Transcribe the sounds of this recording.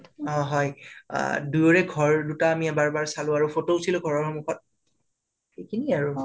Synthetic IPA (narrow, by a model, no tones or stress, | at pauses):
ɔ̃ɦɔj̰ | dujoɹɛɡʱɔɹdutaːmiɛbaɹbaɹsalʊ̃aɹufotoʊsilʊ̃ɡʱɔɹɔɹxɔmuxɔt̚ | xejkʰiniaɹu